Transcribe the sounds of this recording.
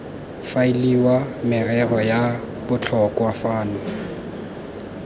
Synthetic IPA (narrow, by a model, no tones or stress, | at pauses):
failiwamɪrɛrɔja | bʊt͡ɬʰɔkʼwafaːnɔ